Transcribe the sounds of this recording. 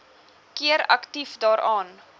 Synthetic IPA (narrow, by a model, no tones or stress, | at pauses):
kiəɾɐ̰ktifdɑːɾʔɑːn